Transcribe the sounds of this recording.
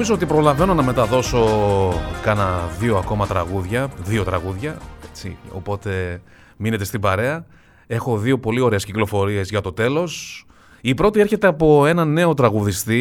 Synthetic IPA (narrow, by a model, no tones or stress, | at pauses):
mizoot̪ipɾo̞lɐve̞no̞nɐme̞t̪ɐðo̞so̞ | kɐnɐðio̞ɐko̞mɐt̪ɾɐɣuðʝɐðio̞t̪ɾɐɣuðʝɐet͡sḭo̞̰po̞t̪e̞ | mine̞t̪e̞st̪ibɐɾe̞ɐ | e̞xo̞ðio̞po̞lio̞ɾeːsciklo̞fo̞ɾie̞zʝɐt̪o̞t̪e̞lo̞s | ipɾo̞t̪ieɾçe̞t̪eɐpo̞e̞nɐnːe̞o̞t̪ɾɐɣuðist̪i